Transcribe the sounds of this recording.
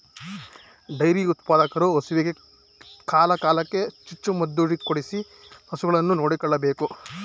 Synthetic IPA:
ɖɐjɾiut̪paːd̪ɐkɐɾuosuʋiɡe | kaːlɐkaːlɐkːet͡ʃit͡ʃːumɐd̪ːuːɽikːoɽisi | ɐsuɡɐɭɐnːuno̞ːɽikɔɭːɐbe̞ːku

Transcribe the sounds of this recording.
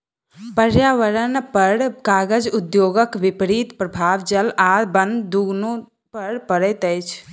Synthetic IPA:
pəɾjaʋəɾənpəɾkaːɡəd͡ʒud̪joːɡəkʋipɾit̪pɾəbʱaːʋd͡ʒəlabənd̪d̪uɡnu | pəɾpəɾət̪əjt͡ʃʰ

